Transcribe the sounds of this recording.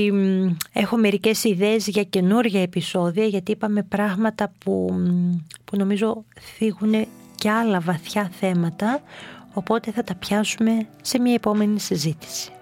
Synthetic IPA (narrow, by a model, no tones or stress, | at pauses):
e̞xo̞me̞ɾice̞siðeːzʝɐce̞nuɾʝɐepiso̞ðiɐʝɐt̪iipɐme̞pɾɐɣmɐt̪ɐpu | puno̞mizo̞θiɣune̞ | ce̞ɐlɐvɐθçɐθe̞mɐt̪ɐo̞po̞t̪e̞θɐt̪ɐpçɐsume̞ | se̞mɲɐepo̞me̞nisizit̪i̥si̥